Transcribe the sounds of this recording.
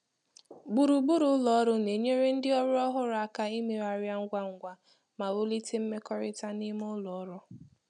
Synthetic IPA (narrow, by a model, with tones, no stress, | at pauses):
ɡ͡bu˨ɾu˨ɡ͡bu˦ɾʊ˦ʊ˦lɔ˨ɔ˦ɾʊ˦ne˨ɲe˦ɾe˦n̩˦dɪ˦ɔ˦ɾʊ˦ɔ˦ɦʊ˦ɾa˦ka˦i˦me˨a˨ɾja˦ŋ̩˦ɡʷa˦ŋ̩˨ɡʷa˦ | ma˨ɾo˦li˦te˦m̩˦me˦kɔ˦ɾɪ˦ta˦ni˦mʊ˦lɔ˨˦ɾɔ˦